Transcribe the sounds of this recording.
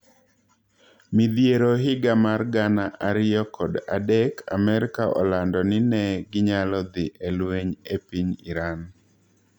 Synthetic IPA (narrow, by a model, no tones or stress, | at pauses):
mɪd̪jeɾoɦɪɡamarɡanaʔaɾɪjɔkʰɔda̰dɛkʰa̰mɛɾɪkaʔɔ̰landɔnɪnɛɡɪɲalɔd̪ɪʔelweɲepiɲiɾan